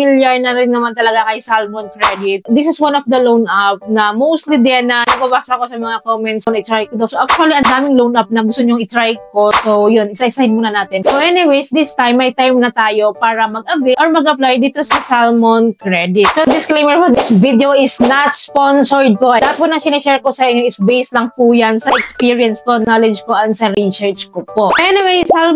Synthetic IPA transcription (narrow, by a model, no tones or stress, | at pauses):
ɪljaɹnɐɾɪnːɐmant̪ɐlɐɡakɐjsalmonkɹɛd̪ɪt̪̚d̪ɪsɪswanɔfd̪ɐlownʔap̚nɐmowst̪lid̪ɛnːɐnɐbaːbaːsɐʔɐko̞sɐmɐŋakomɛnt̪snɐɪt̪ɾajkod̪owsoʔak̚t͡ʃuɐliɐnd̪aːmɪŋlownʔap̚nɐɡʊst̪oɲoŋɪt̪ɾajko̞sojʊnʔɪsaʔɪsahɪnmuːnɐnaːt̪ɪnsoʔɛnɪwejsd̪ɪst̪ajmːɐjt̪ajmnɐt̪aːjo̞paːɾɐmɐɡ̚ʔɐvɪʔoɹmɐɡʔɐplajd̪iːt̪osɐsalmonkɹɛd̪ɪt̪̚sod̪ɪsklejmɛɹfɔd̪ɪsvid̪eoʔɪsnɐt̪sponsoɹd̪̚poʔɐd̪aɐt̪̚ponɐŋsɪnɐʃɛɹkosɐʔɪɲːoʔɪsbejslɐŋpujansɐʔɛkspiːɹijɛnskonalɛd͡ʒkoʔɐnsɐɾisɛɹt͡ʃkopoʔʔɛnɪwejsal